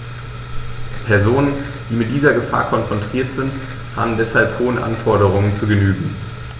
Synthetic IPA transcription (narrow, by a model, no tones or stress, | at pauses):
pʰɛɐzoːnən | d̥iːmɪt̚d̥iːzɐɡəfa̰ːɐkʰɔnfʁ̥ɔntʁ̥iːɐtz̥ɪnt | ha̰ːbm̩dɛshalphoːənʔa̰nfɔɐɾəʁ̞ʊŋənt͡suɡənyːɡŋ̩